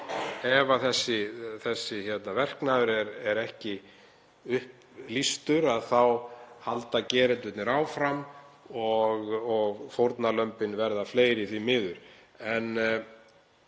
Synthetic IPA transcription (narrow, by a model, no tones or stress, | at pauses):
ɛvaθɛsːɪθɛsːɪçɛt̪navɛr̥knaðʏɾɛɾɛɾɛhcɪ | ʏhp | list̪ʏɾaðθawhalt̪acɛːɾɪt̪vɪt̪nɪɾaːwfɾam | ɔɣɔɣfowɾt̪nalœmpɪnvɛɾðafleːjɾɪθimɪːðʏɾ̥ | ɛn